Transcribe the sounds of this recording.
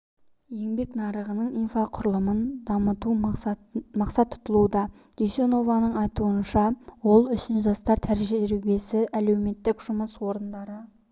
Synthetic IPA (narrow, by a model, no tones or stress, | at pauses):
je̞ŋbe̞knɑɾəʁənəɴijnfɑqʰʊɾəlˠəmənd̪ɑmət̪u | mɑqsɑt̪ːʰʊ̥t̪əlˠud̪ɑ | ɡ̥ʲeʃeno̞vɑnəɴɑjt̪uənʃɑwo̞lˠʏʃɪnʒɑst̪ɑɾt̪ʰæɾʒɾebʲe̞sɪʔæle̞wme̞t̪ːɪkʒ̥ʊməswo̞ɾənd̪ɑɾə